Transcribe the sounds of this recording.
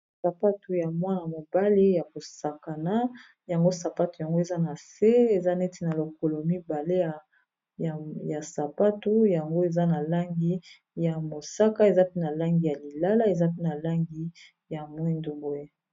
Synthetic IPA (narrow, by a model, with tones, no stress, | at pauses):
sa˨pa˦tu˨ja˨mwa˦na˨mo˨ba˦li˦ja˨ko˨sa˨ka˨na˦ | ja˨ŋɡo˦sa˨pa˦tu˨ja˨ŋɡo˦e˨za˦na˨se˦e˨za˦ne˦ti˦na˨lo˨ko˨lo˨mi˦ba˨le˦ja˨ | ja˨sa˨pa˦tu˦ja˨ŋɡo˦e˨za˦na˨la˦ŋɡi˦ | ja˨mo˨sa˦ka˦e˨za˦pe˦na˨la˦ŋɡi˨ja˨li˨la˦la˦e˨za˦p̬e˦na˨la˦ŋɡi˦ | ja˨mwi˦ndu˨bo˦e˦